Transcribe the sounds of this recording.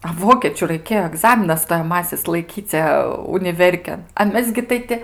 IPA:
ɐ ˈʋoːkʲeːt͡ʃʲʊ rɐɪˈkʲeːjoː ɐˈɡzɑːmʲɪnɐs stoːjɛˈmɑːsʲɪs lˠɐɪˈkʲiːt͡sʲɛ ʊnʲɪˈʋʲɛrʲkʲeːn ɐ ˈmʲɛs ɡʲɪ ˈtɐɪ tʲɪ

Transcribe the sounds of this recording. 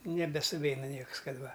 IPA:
nʲɛbʲɛsʊˈʋʲɛɪnɐ ˈnʲiɛks ˈkɐt ˈʋɐ

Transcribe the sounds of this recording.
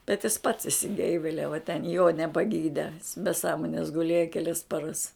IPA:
bʲɛt jɪs pɐts ɪʃʲsʲɪˈɡʲɛɪʋʲɛlʲɛʋɐ tʲɛn joː nʲɛpɐˈɡʲiːdʲɛ bʲɛ ˈsɑːmoːnʲɛs ɡʊˈlʲeːjɛ kʲɛˈlʲɛs pɐˈrɐs

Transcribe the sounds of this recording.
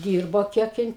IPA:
ˈdʲiːrboː ˈkʲiɛk ˈjɪn

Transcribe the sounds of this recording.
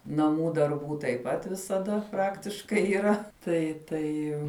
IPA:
nɐˈmuː dɐrˈbuː tɐɪp ˈpɐt ʋʲɪsɐˈdɐ ˈprɑːktʲɪʃkɐɪ iːˈrɐ tɐɪ ˈtɐɪ

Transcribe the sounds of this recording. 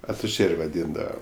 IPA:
ɐtʊˈʒʲeːrʲ ʋɐˈdʲiːndɐʋɐ

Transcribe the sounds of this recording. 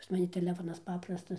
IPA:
pɐs mɐˈnʲɪ tʲɛˈlʲæːfoːnɐs ˈpɑːprɐstɐs

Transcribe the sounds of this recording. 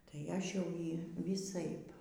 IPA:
tɐɪ ˈɐʃ jɛʊ ˈjiː ʋʲiːˈsɐɪp

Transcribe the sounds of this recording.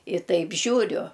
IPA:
ɪ ˈtɐɪp ˈʒʲuːrʲʊ

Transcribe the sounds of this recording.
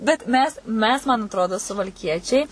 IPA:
bʲɛt ˈmʲɛs ˈmʲɛs mɐn ɐtˈroːdoː sʊʋɐlʲˈkʲiɛt͡ʃʲɛɪ

